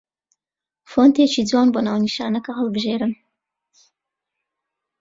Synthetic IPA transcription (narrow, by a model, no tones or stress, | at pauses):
font̪et͡ʃidwɑːnboːnaːwniʃɑːnɐkɐɦɨlˠbɨʒeːɾɨm